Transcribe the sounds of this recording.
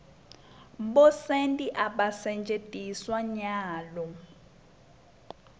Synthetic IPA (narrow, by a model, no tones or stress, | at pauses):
ɓɔsentʼiʔaɓasɛnd͡ʒʱʼed̥ʱʼiswaɲaːlɔ